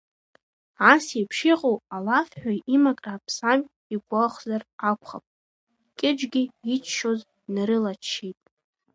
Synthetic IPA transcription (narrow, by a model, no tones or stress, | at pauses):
asepʰʂiqʼowalafħᶣaimakʼraːpʰsam | iɡʷaχʷzarakʷʰχa̰pʼ | kʲʼɪd͡ʒɡʲɪit͡ʃʰʃoz | nɾɨlat͡ʃʰʃejtʼ